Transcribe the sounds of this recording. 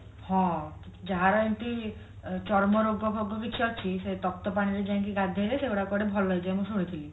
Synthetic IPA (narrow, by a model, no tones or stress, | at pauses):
hɔ̃ | d͡ʒaɦaɾɔjnt̪i | t͡ʃɔɾmɔɾoɡʱɔbʱɔɡʱːɔkit͡ʃʰiɔt͡ʃʰiset̪ɔk̚t̪ɔpaɽ̃iɾed͡ʒãk̬iɡad̪ʱeɾeseuɽakɔɽebʱɔlɔɦed͡ʒaemũsuɽ̃it̪ʰili